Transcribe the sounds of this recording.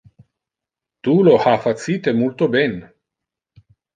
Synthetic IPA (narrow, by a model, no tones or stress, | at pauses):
t̪ulohafat̪siːt̪emult̪obɛn